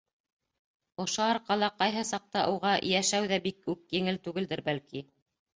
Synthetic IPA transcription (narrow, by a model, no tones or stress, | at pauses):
ŏʃoɑɾqɑlˠɑqɑjɦɤsɑq̚t̪ɑʔowʁɑʔɘ̰̆jæʃæwðæbikʉkjɘ̆ŋɘlt̪ʉɡɘld̪ɘɾbælki